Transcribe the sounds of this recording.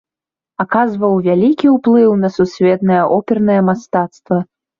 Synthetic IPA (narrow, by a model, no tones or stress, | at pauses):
akazvɐwvʲalʲikʲiwplˠɨwnɐsusʲvʲɛt̪nɐjɐʔɔpʲɛrnɐjɐmast̪at̪st̪vɐ